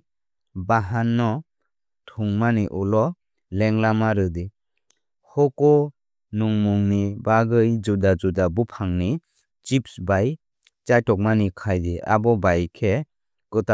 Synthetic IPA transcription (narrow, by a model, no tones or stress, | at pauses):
baɦanːɔ | tʰuŋmaniʔulɔ | lɛŋlamaɾɯde | hɔkɔ | nuŋmuŋnibaɡɯjd͡ʒudad͡ʒudabupʰaŋni | t͡ʃipsbaj | t͡ʃajtɔk̚manikʰajdeʔa̰bɔbajkʰe | kɯta